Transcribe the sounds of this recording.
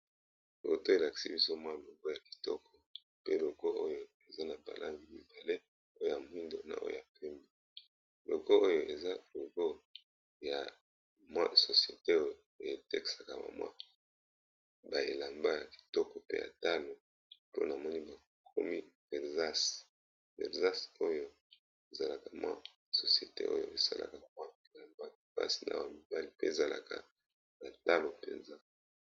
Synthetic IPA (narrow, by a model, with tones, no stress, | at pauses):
bo̰˨to˦e˨la˨ki̥˨si˦bi˦so˦mwa˦˨lo˨ɡo˦ja˨ki̥˨tɔ̰˦kʰɔ˨ | pe˦lo˨ɡo˦ʔo˦jo˨ | e˨za˦na˨ba̰˨lʔa̰˦ŋɡi˨mi˨ba˨le˦ | o˦jo˦˨ja˨mwi˦ndo˨na̰˨ʔo˦o̰˨ja˨pɛ˦mi˦ | lo˨ɡo˦o˦jo˨e˨za˦lo˨ɡo˦ | ja˨ | mwa̰˦so˨sje˨te˦o˦je˨tɛ˦ki̥˨sa˨ka˨ba̰˨mwa̰˦ | ba˨e˨la˨mba˦ja˨bi̥˨tɔ˦kɔ˨pe˦ja̰˨ta˦lo˨ | po˦na˨mɔ˦ni˦ba˨ | kʰo˦mi˦ve˨za˦s | vɛ̰˨za˦so˦jo˦ | e˨za˨la˨ka˨mwa̰˦ | so˨si˨e˨te˦ʔo̰˦jo̰˦ʔe˨sa˦la̰˨ka˨ba˨mwa˦i˨la˨mba˦˨pa̰˦si̥˨na̰˦wa˨mi˨ba˦li˨pe˦e˨za˨la̰˨ka̰˨ | na˨ta˦lo˨pḛ˨nza˦